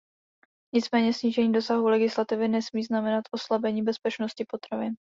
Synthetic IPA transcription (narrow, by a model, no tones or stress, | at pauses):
ɲɪt͡smɛːɲɛsɲiːʒɛɲiːdo̞saɦulɛɡɪslat̪ɪvɪnɛsmiːznamɛnat̪ʔo̞slabɛɲiːbɛspɛt͡ʃnoscɪpo̞t̪ɾavɪn